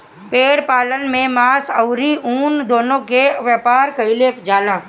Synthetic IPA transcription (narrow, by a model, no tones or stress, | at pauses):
peːɾpaːlənmẽmaːsəʊɾiuːnd̪oːnõkeʋjəpaːɾkɐɪlepd͡ʒaːlãː